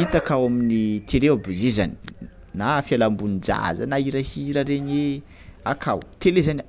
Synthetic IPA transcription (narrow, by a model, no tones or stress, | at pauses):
it̪akawaminit̪ʰeleabuzizani̥ | nafialambunid͡ʒa̰zə̰naiɾahiɾaɾeɲe | akʰawt̪elezan